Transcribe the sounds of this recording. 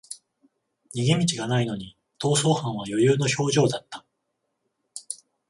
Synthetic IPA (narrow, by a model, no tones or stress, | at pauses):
ɲiɡemʲit͡ɕiɡanaino̞ɲ̟i | t̪o̞ːso̞ːhãɰ̃β̞ajo̞jɯːno̞ço̞ːʑo̞ːd̪at̪ːḁ